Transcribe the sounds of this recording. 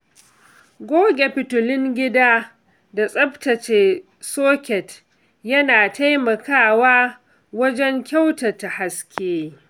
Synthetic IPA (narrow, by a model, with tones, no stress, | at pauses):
ɡʷoː˦ɡʲe˨pɪ˨tʊ˨lɪ˦ŋɡʲɪ˦daː˦ | da˨sʼɐ˦btɐ˨t͡ʃeː˨ | soː˦kʲɛ˨t | jɐ˦naː˨ta˦jmɐ˨kaː˦waː˦ | wɐ˦d͡ʒɛ˦ŋkʲa˦wtɐ˨ta˨ha˦skʲʰeː˦